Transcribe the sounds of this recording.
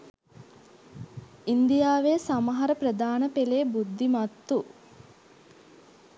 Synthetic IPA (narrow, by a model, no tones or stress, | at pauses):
ind̪ijaːʋesamɐɦɐɾəprəd̪aːnəpeleːbud̪ʱːimɐt̪ːu